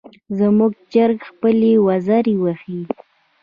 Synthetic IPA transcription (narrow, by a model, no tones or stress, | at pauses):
zəmuɡ̚d͡ʒaɾɡxpəlewazaɾewaxi